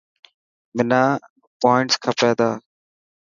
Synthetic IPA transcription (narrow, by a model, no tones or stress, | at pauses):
mɪnãː | poːɪɳʈskʰəpeːd̪aː